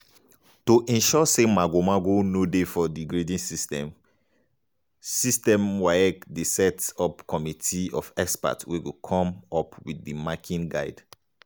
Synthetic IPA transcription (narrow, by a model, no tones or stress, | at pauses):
toʔɛ̃nʃɔsemaɡomaɡonodefɔdiɡɹedĩnsistɛ̃m | sistɛ̃mwaɛkdesɛtɔpkɔmitʰiɔ̰fɛkspa̰twewukʰɔ̃mɔpwidːimakʰĩnɡaɪd